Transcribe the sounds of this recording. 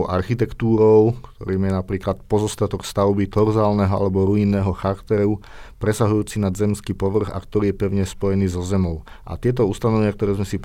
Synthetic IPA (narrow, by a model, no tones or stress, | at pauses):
ʔa̰ɾxit̪ɛkt̪uːɾɔʊkt̪ɔɾiːmjɛnapɾiːklat̪pɔzɔst̪at̪ɔkst̪aʊbit̪ɔɾzaːlnɛɦɔa̰lɛbɔɾuiːnːɛːɦɔxakt̪ɛɾu | pɾɛsaɦujuːt͡sinazɛmskiːpɔʋr̩ɣa̰kt̪ɔɾiːjɛpɛʊɲɛspɔjɛniːzɔzɛmɔʊ | ʔa̰t̪ɪɛt̪̬ɔust̪anɔʋɛɲɪak̚t̪ɔɾɛːzmɛsip